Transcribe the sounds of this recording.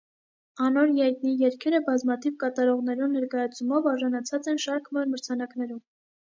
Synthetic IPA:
ɑnɔɾjɑjt̪nijɛɾkʰɛɾəbɑzmɑt̪ʰivkɑt̪ɑɾɔʁnɛɾunnɛɾkɑjɑt͡sʰumɔvɑɾʒɑnɑt͡sʰɑt͡sɛnʃɑɾkʰmɑɾməɾt͡sʰɑnɑknɛɾum

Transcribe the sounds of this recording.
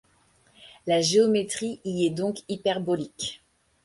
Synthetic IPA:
laʒeɔmet̪χiʔiɛd̪ɔ̃kipɛʁbɔlik

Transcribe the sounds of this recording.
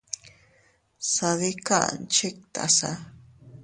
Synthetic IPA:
saðika̰ʔnt͡ʃek̚t̪a̰sa̰

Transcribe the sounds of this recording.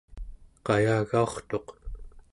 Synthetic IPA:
qɑjaːɣao̞χt̪o̞q

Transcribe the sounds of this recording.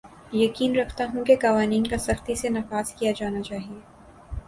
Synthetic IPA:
jɐkiːnɾɐkʰt̪aɦũkekɐʋaːniːnkasɐxt̪isenɐfaːzkijad͡ʒaːnat͡ʃaːɦieː

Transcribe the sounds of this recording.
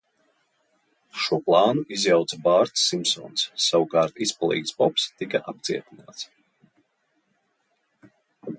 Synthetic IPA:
ʃuɔplˠɑːnuʔizjawt̪sabaːɾt̪sːimsɔ̰ːnsːawukaːɾt̪ispalˠḭːksbɔpst̪ikaʔap̚t̪siɛt̪inaːt̪s

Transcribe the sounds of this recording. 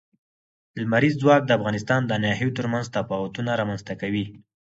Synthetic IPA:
lmaɾizːwɑk̚d̪əafɣɑnɪs̬t̪ɑnd̪əanɑɦijot̪əɾmanzt̪afɑwat̪unaɾɑmanzt̪akawi

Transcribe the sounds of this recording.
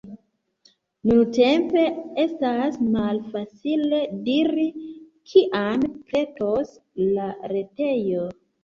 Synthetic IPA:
nunte̞mpe̞e̞stasmalfat͡sile̞diɾi | kʰiʔampe̞toslaɾe̞te̞jo

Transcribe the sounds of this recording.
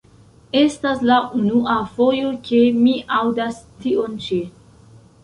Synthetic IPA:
e̞staslaʔunuʔafo̞jo̞ke̞miʔawdastiont͡ʃe

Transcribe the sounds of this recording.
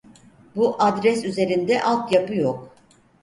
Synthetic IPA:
buʔad̪ɾɛsyze̞ɾind̪ɛʔalˠt̪japɯjok̚

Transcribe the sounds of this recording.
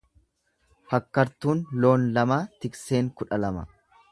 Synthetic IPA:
fɐkːɐɾt̪uːnlo̞ːnlɐmaːt̪ɪkse̞ːŋkʊᶑɐlɐmɐ̰

